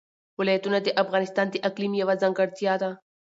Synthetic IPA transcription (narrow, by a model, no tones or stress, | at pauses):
wɪlaːjat̪unad̪eʔafɣɑnɪst̪ɑːnd̪eʔaqlimjawazaŋɡaɾt̪ijad̪a